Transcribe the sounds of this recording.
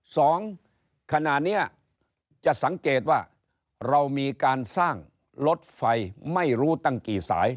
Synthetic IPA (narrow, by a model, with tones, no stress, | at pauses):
sɔː˩˦ŋ | kʰa˧na˨˩t̪̚ni˦˥ɐ | t͡ɕa˨˩ʔsa˩˦ŋkeː˨˩t̪̚waː˥˩ | ɾa˧wmiː˧kaː˧nsaː˥˩ŋ | lo˦˥t̪̚fa˧jma˥˩jɾuː˦˥t̪a˥˩ŋkiː˨˩sa̰ː˩˦j